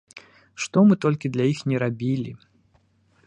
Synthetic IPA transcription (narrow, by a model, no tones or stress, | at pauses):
ʂt̪ɔmɨt̪ɔlʲkʲid̪lʲajixnʲɛɾabʲilʲḭ